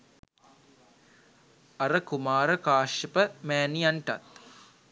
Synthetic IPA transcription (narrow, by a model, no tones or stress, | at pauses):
ɐɾəkumaːɾəkaːʃjɐpəmæːnijaɳʈa̰t̪̚